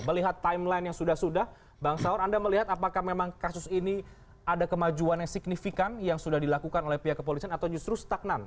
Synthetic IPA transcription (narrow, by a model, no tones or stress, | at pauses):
məliɦat̪ːaimlainjaŋsudahsudah | baŋsaʊɾandaməliɦat̪apakahmemaŋkasʊsini | adakəmad͡ʒuanjaŋsik̚nifikanjaŋsudahdilakukanolɛhpiɦakːəp̬olisianat̪awd͡ʒust̪ɾust̪ak̚nan